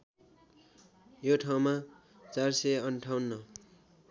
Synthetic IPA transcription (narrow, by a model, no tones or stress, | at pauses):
joʈʰaw̃ma | t͡sarsʌjʌnʈʰawnːʌ